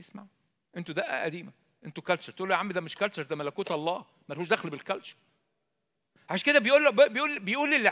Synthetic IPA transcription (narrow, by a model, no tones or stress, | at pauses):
esma̰ʕ | ʔent̪ud̪æʔæ̰ʔæd̪iːmæ | ʔent̪okælt͡ʃɑɾt̪eʔulːoʕamːid̪æmeʃkælt͡ʃɑɾˤd̪æmælækuːt̪ɑlˤːɑː | mæɾˤhuːʃd̪æxlbelkælt͡ʃɑ̥ɾˤ | ʕaʃæked̪æbejʔuːlːbbejʔuːlːbejʔuːlːielːi